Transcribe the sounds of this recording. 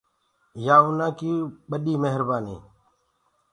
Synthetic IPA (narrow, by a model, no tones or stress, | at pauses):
jaːʊnãːkiːɓəɗiːməɦəɾbaːnḭː